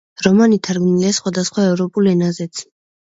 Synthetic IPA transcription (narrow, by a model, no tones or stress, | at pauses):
ɾɔmanit̪ʰaɾɡmiliasχwad̪asχwaɛvɾɔpʼulɛnazɛt̪sʰ